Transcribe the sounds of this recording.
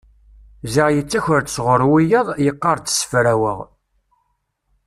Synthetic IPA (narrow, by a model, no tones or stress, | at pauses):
zəʁjət͡sːæçəɾt̪sʁəɾˤwijəðˤjəqːɑɾˤt͡s̪ːə̥sə̥fɾæwə̰ʁ